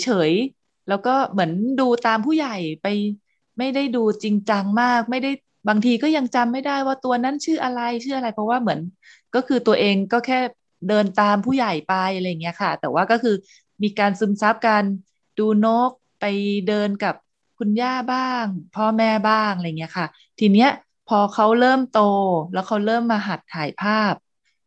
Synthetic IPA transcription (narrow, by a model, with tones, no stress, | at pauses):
jt͡ɕʰɤː˩˦j | lɛː˦˥wkɔː˥˩mɯ˩˦ənduː˧t̪aː˧mpʰuː˥˩ja˨˩jpa˧j | ma˥˩jda˥˩jduː˧t͡ɕi˧ŋt͡ɕa˧ŋmaː˥˩k̚ma˥˩jda˥˩j | baː˧ŋt̪ʰiː˧kɔː˥˩ja˧ŋt͡ɕa˧mːa˥˩jdaː˥˩jwaː˥˩t̪u˧ɐna˦˥˨nt͡ɕʰɯː˥˩ʔa˧ɾa˧jt͡ɕʰɯː˥˩ʔa˧ɾa˧jpʰɔ˦˥waː˥˩mɯ˩˦ənkɔː˥˩kʰɯː˧t̪u˧ɐʔeː˧ŋkɔː˥˩kʰɛː˥˩ | dɤː˧nt̪aː˧mpʰuː˥˩ja˨˩jpa˧jʔa˧ɾa˧jːa˨˩ŋːi˦˥ɐ˩kʰa˥˩t̪ɛː˨˩waː˥˩kɔː˥˩kʰɯː˧ | miː˧kaː˧nsɯ˧˦msa˦˥p̚kaː˧n | duː˧no˦˥k̚pa˧jdɤː˧nka˨˩p̚ | kʰu˧njaː˥˩baː˥˩ŋpʰɔː˥˩mɛː˦˥˩baː˥˩ŋʔaɾa˧jŋi˦˥ɐkʰa˥˩ | t̪ʰiː˧ni˦˥ɐʔ | pʰɔː˧kʰa˦˥wɾɤː˥˩mt̪oː˧lɛː˦˥wkʰa˦˥wɾɤː˥˩mːaː˧ɦa˨˩t̪̚kʰaː˩˦jpʰaː˥˩p̚